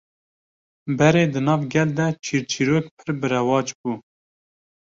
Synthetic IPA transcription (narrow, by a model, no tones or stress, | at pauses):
bɛɾeːd̪ɨnɑːvɡʲɛld̪ɛt͡ʃʰiːɾt͡ʃʰiɾoːkpʰɨɾbɨɾɛwɑːt͡ʃbuː